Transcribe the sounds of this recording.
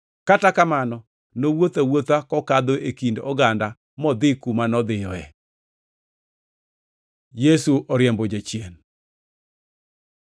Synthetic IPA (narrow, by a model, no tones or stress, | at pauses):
katakamanɔ | nowot̪awot̪akɔkad̪oʔekindɔ̰ɡanda | mɔd̪ɪkumanɔd̪ɪjɔɛ | jesuʔɔɾjɛmbod͡ʒat͡ʃjen